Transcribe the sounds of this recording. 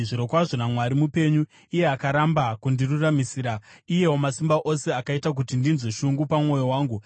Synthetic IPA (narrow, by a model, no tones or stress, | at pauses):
ʐiɾo̞kwaʐo̞namwaɾimupe̞ɲu | ije̞akaɾambakundiruramisiːɾaije̞wo̞masimbaʔo̞se̞akaitak̬utindinzweʃuŋɡupamŋo̞jo̞waːŋɡu